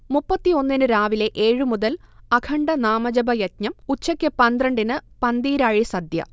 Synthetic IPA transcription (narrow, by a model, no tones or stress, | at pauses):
mupːɐt̪ːio̞nːinɨɾaːʋile̞ʔeːɻɨmuðɐl | ɐkʰɐɳɖɐnaːmɐd͡ʑɐbɐjɐtɲɐmut͡ɕːɐkʲːɨpɐnd̪rɐɳɖinɨpɐnd̪iːɾaːɻisɐd̪jɐ̰